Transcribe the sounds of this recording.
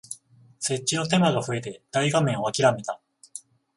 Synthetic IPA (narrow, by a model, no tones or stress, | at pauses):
se̞t͡ɕːino̞t̪̬e̞maɡaɸɯ̟e̞t̪e̞d̪̥aiɡamẽ̞ɰ̃o̞akʲiɾame̞t̪a